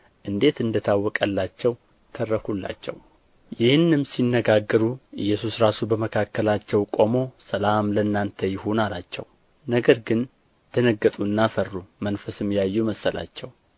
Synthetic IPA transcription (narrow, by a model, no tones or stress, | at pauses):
ʔɨnd̪e̞t̪ɨnd̪ət̪ʰawːɔkʼəlːat͡ʃːɛw | t̪ʰərːəkʰulːa̰t͡ʃːɛ̰w | jɪhɨnːɨmsinːəɡaɡːəɾuʔɨ̰jːɛsusɾasubəməkʰakːəlat͡ʃːɛwkʼo̞mo̞səlamlənːant̪ʰəjɪhonalat͡ʃːɛ̰w | nəɡəɾɡɨn | t̪ʰənəɡːət̪ʼuɨnːafərːumənfəsɨmːijajːuməsːəla̰t͡ʃːɛw